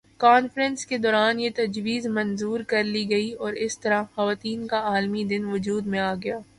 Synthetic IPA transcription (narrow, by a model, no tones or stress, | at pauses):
kaːnfɾə̃nsked̪ɔːɾaːnjet̪ɐd͡ʒʋiːzmɐnzuːɾkɐɾliɡɐiɔːɾɪst̪ɐɾaxɐʋaːt̪iːnkaaːlmid̪ɪnʋʊd͡ʒuːd̪mẽaːɡɐjaː